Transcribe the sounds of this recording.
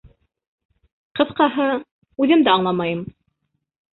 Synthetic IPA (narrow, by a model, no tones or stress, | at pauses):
qɤ̆θqɑɦɤ | ʉðɘmd̪æɑɴlˠɑmɑjɤm